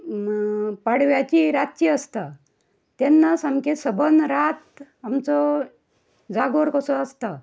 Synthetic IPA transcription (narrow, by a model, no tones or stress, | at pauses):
paɽʋjat͡ɕiɾat̪̚t͡ɕiəst̪a | t̪ɛnːasamkesəbʱənɾat̪ | amt͡sɔ | d͡zaɡoɾkəsɔəst̪a